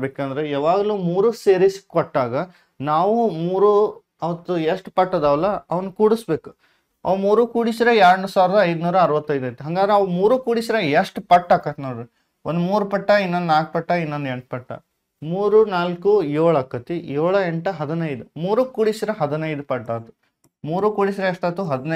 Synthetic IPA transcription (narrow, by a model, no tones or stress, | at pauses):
beːkɐnd̪ɐɾeaːʋaːɡɐluːmuːɾuːseːɾiskkɔʈːaːɡɐ | naːʋumuːɾu | ɐʋɐt̪ːueʂʈpɐʈːɐd̪ɐʋɐlɐɐʋɐnukuːɽisbe̞ːku̥ | ɐ̰ʋmuːɾukuːɽisiɾeaːɾɐɳɖusaːʋɾɐd̪ɐːjd̪unuːɾɐːɾʋɐt̪ːɐjd̪ɐjt̪ːuɦɐŋɡaːd̪ɾeɐʋmuːɾuːkuːɽisiɾejeʂʈupɐʈːaːkɐt̪nɐːɾu | ond̪umuːɾupɐʈːɐinːond̪naːk̚pɐʈːɐinːond̪eɳʈ̚pɐʈːɐ̰ | muːɾunaːlkujoːɭɐkːɐt̪ijoːɭɐeɳʈɐɦɐd̪inɐjd̪umuːɾukuːɽisiɾeɦɐd̪inɐjd̪upɐʈːaːt̪u̥ | muːɾukuːɽisiɾeeʂʈɐt̪ːuɦɐd̪inɐ